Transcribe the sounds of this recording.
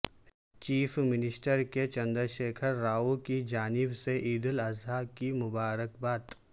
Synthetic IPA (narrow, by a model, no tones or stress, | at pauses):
t͡ʃiːfmɪnɪsʈəɾket͡ʃɐ̃nd̪əɾʃeːkʰəɾːaːukid͡ʒaːnɪbseʔiːd̪ɪlɐzakimʊbaːɾəkbaːt̪